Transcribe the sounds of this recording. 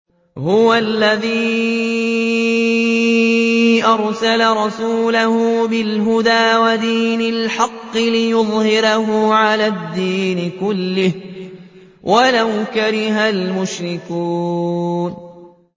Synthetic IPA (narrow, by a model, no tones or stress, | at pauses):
hʊwalːaðiː | ʔɑɾˤsalaɾˤɑsuːlahʊbɪlɦʊd̪aːwad̪iːnalħɑqːɨlɪjʊðˤhɪɾahʊʕalaːd̪ːiːnɪkʊlːɪh | wʔalawkaɾɪɦalmʊʃɾɪkuːn